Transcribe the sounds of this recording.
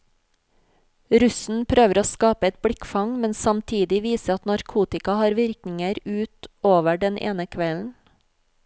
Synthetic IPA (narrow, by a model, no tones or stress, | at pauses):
ɾʉsn̩pʰɾøːʋəɾoːskɑːpəɛt̪̚bɽɪkfɑŋmɛnsɑmt̪ʰiːd̪ɪʋiːsəɑt̪nɑɾkʰuːt̪ɪkɑhɑːɾʋɪɾknɪŋəɾʉːt̪oːʋəɖɛnʔḛːnəkʰʋɛln̩